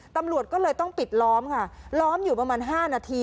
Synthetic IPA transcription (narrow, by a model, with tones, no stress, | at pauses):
t̪a˧mɾu˨˩ət̪̚kɔː˥˩lɤː˧jt̪ɔ˥˩ŋpi˨˩t̪̚lɔː˦˥mkʰa˥˩lɔː˦˥mjuː˨˩pɾa˧maː˧nɦaː˥˩naː˧t̪ʰiː˧